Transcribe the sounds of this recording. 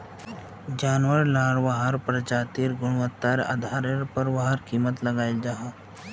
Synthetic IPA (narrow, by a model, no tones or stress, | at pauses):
d͡ʒaːnwəɾlaːɽʋaɦəɾpɾəd͡ʒaːt̪iːɾɡʊɽ̃ʋət̪ːaɾa̰d̪ʱaːɾeɾpəɾʋaɦəɾkiːmət̪lɐɡaːild͡ʒaːɦaː